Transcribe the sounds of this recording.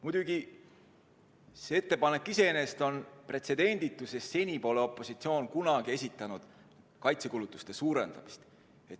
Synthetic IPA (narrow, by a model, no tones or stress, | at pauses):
mud̪̥uɡi | see̞t̪ːepɑne̞kːˑise̞ene̞st̪o̞npre̞t̪se̞d̪̥e̞nʲd̪̥it̪ːˑusesːe̞nʲipo̞ːle̞o̞pːˑo̞sʲit̪sio̞ːnkunɑɡie̞sʲit̪ːˑɑnud̪̥ | kɑjt̪sekulut̪ːˑu̥st̪e̞suːɾe̞̰nd̪̥ɑ̰mi̥st̪ | e̞t̪